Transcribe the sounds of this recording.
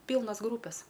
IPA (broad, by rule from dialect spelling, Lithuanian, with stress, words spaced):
ˈpʲiːlˠnɐs ˈɡruːpʲɛs